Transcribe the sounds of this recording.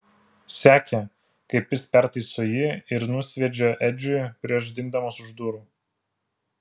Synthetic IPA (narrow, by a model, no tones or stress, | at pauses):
sʲæːkʲɛ | kɐɪpʲɪspʲæˑɾt̪ɐɪsoːjiɪɾnʊsʲʋʲɛd͡ʒʲɛʔɛd͡ʒʲʊjpʲɾʲiɛʃ̬d̪ʲɪŋɡd̪ɐmoːsʊʒd̪uːɾuː